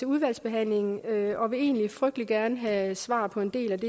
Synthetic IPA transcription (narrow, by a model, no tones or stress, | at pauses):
e̝uð̞ˠʋæl̰sb̥e̝ɦæn̰le̝ŋn̩øɒ̽ʋe̝e̝̰ːnlifʁœɡ̥d̥liɡ̥æɐnəɦæsʋɑ̰̈ːpʰɒ̽e̝nd̥e̝̰ːlæd̥e